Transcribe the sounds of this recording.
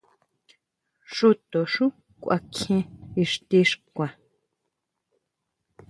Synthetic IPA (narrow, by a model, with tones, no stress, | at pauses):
ʂu˦t̪o˨ʂũ˦ | kʷʔa̰˧kʰẽ˧i˧ʂt̪i˧ʂkʷa˨